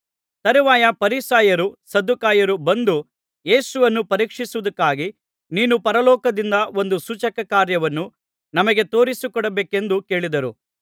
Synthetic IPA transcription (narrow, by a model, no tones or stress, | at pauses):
t̪ɐɾiʋaːjɐpɐɾisaːjɐɾusɐd̪ukaːjɐɾubɐnd̪u | je̞ːsuʋɐnːupɐɾiːkʂisuʋud̪ɐkːaːɡi | niːnupɐɾɐlɔːkɐd̪ind̪ɐo̞nd̪usut͡ʃɐkɐkaːɾjɐʋɐnːu | nɐmɐɡe̞t̪o̞ːɾisukɔɽɐbeːke̞nd̪uke̞ːɭid̪ɐɾu